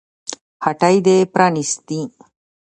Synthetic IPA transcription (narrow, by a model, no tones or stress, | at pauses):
hɐʈɐjd̪eːpɾanist̪i